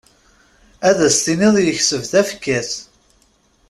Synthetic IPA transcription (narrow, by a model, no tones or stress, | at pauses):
æðæst̪iniðˤjəçsəvðæfkːæθ